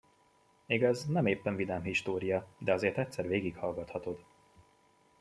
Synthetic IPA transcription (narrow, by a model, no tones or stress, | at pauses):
meːɡɛznɛmeːpːɛɱvid̪ɛːmɦiʃt̪oːɾijɒd̪ɛɒzeːrt̪ɛt̪ʲsɛrveːɡikhɒlɡɒt̪hɒt̪o̞d̪